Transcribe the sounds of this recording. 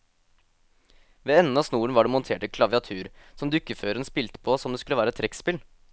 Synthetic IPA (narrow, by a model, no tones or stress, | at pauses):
ʋeːɛn̩ːɑsnuːəɳ̩ʋɑɖeːmɔnt̪ʰeːʈəkʰlɑʋɪɑt̪ʰʉːɾsɔmd̪ʉkːəføːɾənspɪlt̪ə̥pʰoːsɔmd̪eskʉləʋæːɾəɛt̪ʰɾɛkspɪl